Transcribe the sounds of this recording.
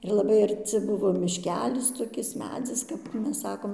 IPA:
ɪr lˠɐˈbɐɪ ɐrʲˈt͡sʲɪ ˈbʊʋoː mʲɪʃʲˈkʲæːlʲɪs toːˈkʲɪs ˈmʲæːd͡zʲɪs kɐp ˈmʲɛs ˈsɑːkoːm

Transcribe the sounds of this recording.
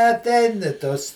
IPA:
ɐtʲˈɛɪn ɪ ˈtoːs

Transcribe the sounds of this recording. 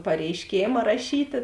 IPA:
pɐrʲɛɪˈʃʲkʲeːmɐ rɐˈʃʲiːtʲeː

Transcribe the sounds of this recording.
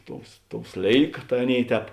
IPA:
ˈtoːʊs ˈtoːʊ ˈsʲlʲeːɪkɐ tɐɪ ˈɑːˌnʲeːɪ ˈtʲɛːp

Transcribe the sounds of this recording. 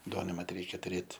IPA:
ˈduɔnɐɪ mɐt ˈrʲɛɪkʲɛ tʊˈrʲeːt

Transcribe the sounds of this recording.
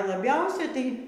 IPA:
lˠɐˈbʲɛʊsʲɛ tɐɪ

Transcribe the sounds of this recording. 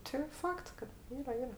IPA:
tʲɪ ˈfɐkts kɐt ˈiːrɐ ˈiːrɐ

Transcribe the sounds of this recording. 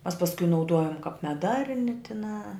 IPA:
mɐs pɐsˈkʊ nɐʊˈduɔjʊm kɐp mʲɛˈdɐrʲnʲɪ tʲɪˈnɑː

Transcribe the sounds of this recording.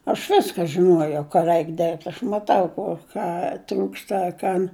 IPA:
ɐʃ ˈʋʲɪskɐ ʒʲɪˈnuɔjɛʊ kɐ ˈrʲɛɪk ˈdʲeːrʲpʲtʲ ɐʃ mɐˈtɐʊ ˈkoː ˈkɑː ˈtruːkstɐ ɐ ˈkɐn

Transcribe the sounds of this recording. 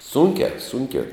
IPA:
ˈsuːŋʲkʲæː ˈsʊŋʲkʲæː

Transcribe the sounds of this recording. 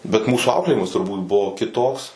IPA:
bʲɛt ˈmuːsuː ˈɐʊklʲeːjɪmɐs tʊrˈbuːt ˈbʊʋoː kʲɪˈtoːks

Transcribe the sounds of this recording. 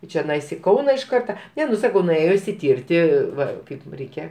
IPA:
ɪ t͡ʃʲɛˈnɐɪs ɪ ˈkɐʊnɐ ɪʃ ˈkɐrtɐ ˈnʲɛ nʊ ˈsɑːkɐʊ nʊˈeːjoː ɪʃʲsʲɪˈtʲɪrʲtʲɪ ˈʋɐ ˈkɐɪp ˈrʲɛɪkʲɛ

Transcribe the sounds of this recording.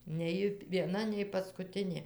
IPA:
nʲɛ ˈjɪ ʋʲiɛˈnɐ nʲɛɪ pɐskʊˈtʲɪnʲeː

